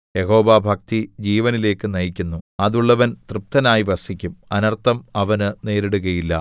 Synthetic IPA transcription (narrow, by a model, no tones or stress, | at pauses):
jeho̞ːʋaːbʱɐk̚t̪id͡ʑiːʋɐnile̞ːkːɨnɐjikʲːunːuɐðuɭːɐʋɐnt̪rɨp̚t̪ɐnaːjiʋɐsikʲːumɐnɐrt̪ɐmɐʋɐnɨne̞ːɾeɽuɣɐjilːɐ̰